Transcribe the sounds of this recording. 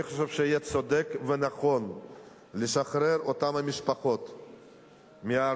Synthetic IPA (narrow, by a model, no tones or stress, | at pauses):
iχoʃevʃeijɛt͡sod̪ekvenaχo̞n | leʃaχɾeɾot̪amhamiʃpaχo̞t̪ | mia